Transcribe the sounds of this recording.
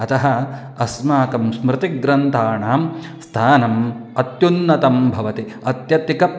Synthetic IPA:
ɐt̪ɐɦɐ̆ | ɐsmaːkɐmsmɾɪt̪iɡɾɐnt̪ʰaːɳaːm | st̪ʰaːnɐmɐt̪junːɐt̪ɐmbʱɐʋɐt̪i | ɐt̪jɐt̪ikɐ

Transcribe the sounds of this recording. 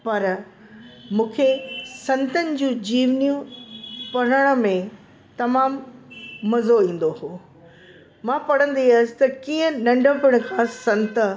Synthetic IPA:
pɐɾ | mũːkʰesɐ̃nt̪ənɪ̆d͡ʑũːd͡ʑiːʋnijũpɐɽ̤əɽ̃ʊ̆mẽ | t̪ɐmaːmː | ɐzoĩːn̆d̪oɦoː | mãːpɐɽ̤ə̃nd̪iasɪ̥t̪ɐkiːə̃nɐ̃ɳɖʱəpɪɽ̃̆kʰãːsɐ̃nt̪ə

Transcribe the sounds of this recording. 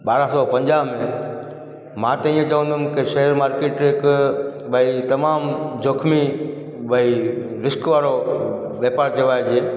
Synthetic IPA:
ɓaːɾasɔːpɐ̃ɲd͡ʒaːɦmẽ | mãːt̪ɐĩːẽt͡ʃɐʋə̃nd̪ʊmkeʃɐɦəɾmaːɾkeːʈɦɪkbəit̪ɐmaːmd͡ʒoːkʰmi | bəi | ɾɪskʋaːɾo | ʋeːpaːɾt͡ʃɐʋaːed͡ʒeː

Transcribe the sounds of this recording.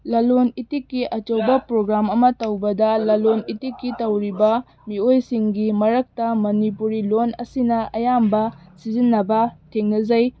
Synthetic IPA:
lɐlonitikːiʔɐt͡ʃowbɐpɾoɡɾamɐmɐtɐwbɐdɐlɐlonitikːitɐwɾibɐ | miojsiŋɡimɐɾɐk̚tɐmɐnipuɾilonɐsinɐɐjambɐsizinːɐbɐtʰeŋnɐzɐj

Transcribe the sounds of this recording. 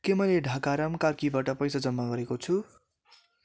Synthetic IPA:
kemʌjleɖʱakaɾʌmkarkibaʈʌpʌjsad͡zʌmːaɡʌɾekot͡sʰu

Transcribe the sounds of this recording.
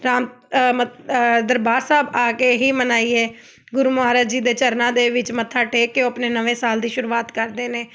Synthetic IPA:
ɾaːm | məd̪əɾbaːɾsaːbaːkeːɦiːmənaːiːɛː | ɡʊɾuːmʊaːɾəd͡ʒd͡ʒiːd̪eːt͡ʃəɾnãːd̪eːʋɪt͡ʃmət̪ʰːaːʈeːkːeːoəpneːnəʋẽːsaːld̪iːʃʊɾuːaːt̪kəɾd̪eːneː

